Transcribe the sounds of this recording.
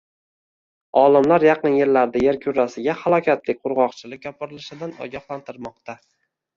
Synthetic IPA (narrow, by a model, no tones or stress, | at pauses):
ɒlɪmlaɾjɑqɨnje̞ɾlaɾd̪ajeɾkʲʰʊɾasɪɡʲahalˠɒkʲat̪lɪk̚ʲqʰʊɾʁɒqt͡ʃʰɪlɪk̚ʲːɒpɪɾɪlɪʃɪd̪anɒ̰ɡʲɑχlˠant̪ʰɪɾmɒq̚t̪ʰa